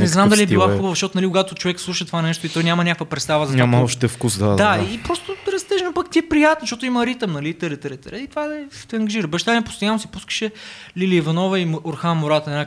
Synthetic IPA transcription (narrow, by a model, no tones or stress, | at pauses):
nɛznamd̪ɐliɛb̪ilˠaxubəvəʃtɔt̪onɐlikʊɡat̪ot͡ʃovɛkslˠuʃət̪ovanɛʃt̪oit̪ɔjnʲamɐnʲakəkvəpɾɛt̪st̪avəzɐɲamɐɔʃt̪ɛfkusd̪a̰d̪d̪aipɾɔst̪oɾɐst̪ɛʃɛnopakt̪ʲiɛpɾijat̪nʃtot̪ʊiməɾit̪əmnɐlit̪əɾɛt̪əɾɛt̪əɾɛit̪ovat̪ɛɐŋɡɐʒiɾəbɐʃt̪aniɛpʊ̥st̪ojanːosi̥puskə̥ʃɛliliivɐnɔvəimoɾxanmʊɾat̪ɐnna